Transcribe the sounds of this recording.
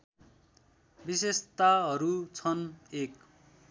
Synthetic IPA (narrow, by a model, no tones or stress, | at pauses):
bisest̪aɦʌɾut͡sʰʌnek